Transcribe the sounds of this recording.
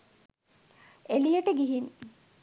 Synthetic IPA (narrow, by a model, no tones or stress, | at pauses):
elijəʈəɡiɦin